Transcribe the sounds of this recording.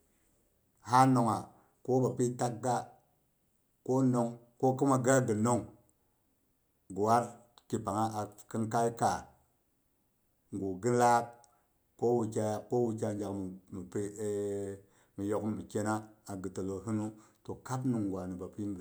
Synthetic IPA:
ha˦no˨ŋa˨ | ko˦ba˨pi˦ta˦k̚ɡa˦ | ko˦no˨ŋ | ko˦ki˦ma˨ɡa˦ɡə˨no˦ŋ | ɡu˨wa˦ɾ | ki˨pa˨ŋa˦ʔa˨ki˦nka˦i˦ka˨ | ŋɡu˨ɡi˦la˦k̚ | ko˦wu˨ka˦ja˨ko˦wu˦k̬a˦n˦d͡ʒa˨kmi˨pi˦ | mi˨jo˦kmi˨ke˦na˦a˨ɡɨ˨to˨lo˨ɦi˦nu˦to˨ka˦pnu˨ŋɡwa˨ni˨ba˨pi˦˨

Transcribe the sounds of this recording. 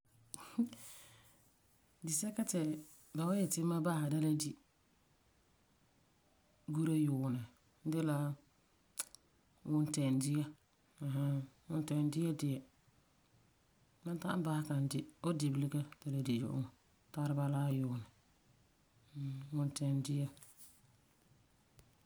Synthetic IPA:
dɪ˨sɛ˦ka˦tɛ˨ | ba˨wa˦jɛ˨tɪ˦ma˦ba˦ha˨da˦la˦di˦ | ɡu˦ɾa˦jʊː˨nɪ˨˦ | dɪ˦la˦ | wʊ˦ntɛ˨ndɪ˦ja˦ | a˨ɦa˦wʊ˨ntɛ˨n˦dɪ˦jɛ˦dɪ˨jɛ˨ | na˦ta˦ba˦ka˨n˦dɪ˦o˦di˨blɪ˦ɡa˦da˨la˨di˨jʊ̰˨ʔʊ̰˦ŋ˨ | ta˦ɾɪ˦ba˦laː˦jʊ˨nɪ˨˦˨ | wʊ˨ntɛ˨ndɪ˦ja˦

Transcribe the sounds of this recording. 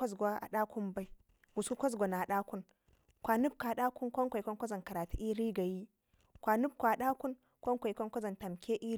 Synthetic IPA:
a˦zɡʷa˦a̰˨ɗa˦kʰʷu˦mba˦i˦ | ɡu˨su˦kʷa˦z̬ɡʷa˨na˨ɗa˦ku˦n | kʷa˨nu˦b̚ka˨ɗa˦ku˦nkʷa˦ŋkʷa˨kʷa˦nkʷa˦za˨nka˨ɾaː˨tu˦ʔi˦ɾi˦ɡa˨ji˦ | kʷa˨nu˦b̚kʷa˨ɗa˦ku˦n | kʷa˦ŋkʷa˨i˨kʷa˦nkʷa˦za˨nta˨mkʲe˦ʔi˦

